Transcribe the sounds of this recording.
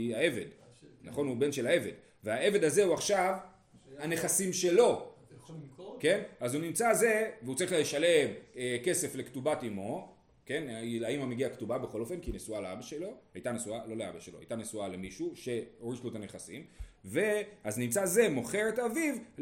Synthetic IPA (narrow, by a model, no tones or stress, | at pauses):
aeve̞d̪ | naχo̞nube̞nʃe̞lae̞ve̞d | veae̞ve̞d̪aze̞uaχʃav | ane̞χasimʃe̞lo̞ | ke̞nazunimt͡saze̞veut͡saʁiχljeʃale̞meke̞se̞fle̞ktubatimo̞ | ke̞nlaimameɡiaktubabe̞χo̞lo̞fe̞nkinesualeabaʃelo̞hajt̪anesualo̞lea̰baʃelo̞ha̰jt̪anesuale̞miʃuʃe̞oʁiʃloet̪aneχasimve̞aznimt͡saze̞mo̞χe̞ʁetaviv